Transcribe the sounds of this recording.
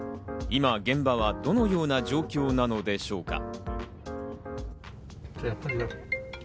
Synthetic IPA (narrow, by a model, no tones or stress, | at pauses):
imaɡẽ̞mbaβ̞ad̪o̞no̞jo̞ːnad͡ʑo̞ːkʲo̞ːnano̞d̪e̞ɕo̞ːka̰ | t̪ojapːaɾʲi